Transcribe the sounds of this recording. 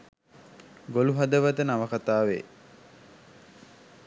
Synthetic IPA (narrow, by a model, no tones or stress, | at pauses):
ɡoluɦad̪əʋat̪ənaʋəkat̪aːʋḛː